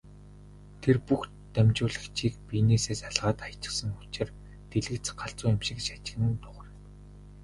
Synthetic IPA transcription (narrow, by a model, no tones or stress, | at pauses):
t̪ʰerpux | t̪æmʲt͡ɕʊːɮə̆xt͡ɕʰiːkpineːseːsaɮʁaːt̪ajt͡ɕɪ̆χsə̆ŋʊt͡ɕɪ̆r | t̪eɮɘ̆kt͡sɢaɬt͡sʊːjamʃɪ̆kʃat͡ɕɪ̆ɣɘ̆n̆nt̪ʊʁə̆r